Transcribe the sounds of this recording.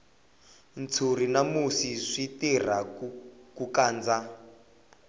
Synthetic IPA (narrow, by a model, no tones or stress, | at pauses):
nt͡sʰurinamusiʂitir̤akukaːnd͡za